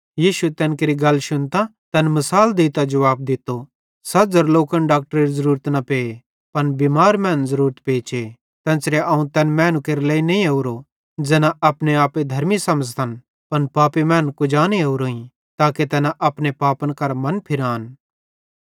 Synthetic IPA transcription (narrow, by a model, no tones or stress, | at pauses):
jiːʃuet̪ɛ̃ːnkeɾiɡɐlːʃʊnt̪ãt̪ɛːnmɐsaːld̪eːt̪ad͡ʒɐʋaːb̚d̪ɪt̪ːo | sɐd͡zɐɾloːkənɖaːk̚ʈəɾeɾizɐɾuːɾət̪nɐpeːe | pɐnbimaːɾmɛ̃ːnzɐɾuːɾət̪peːt͡ʃe | t̪ɛ̃ːsɾeʔɐːũt̪ɛːnmɛːnũkeːɾlɛːinɐĩɐuɾo | d͡ʒɛːnãʔɐpneaːped̪ʱɐɾmisɐməd͡zt̪ʰɐn | pɐnpaːpimɛ̃ːnkʊd͡ʒaːneɐuɾoːĩ | t̪aːket̪ɛːnaʔɐpnepaːpənkɐɾmɐnpʰɪɾaːn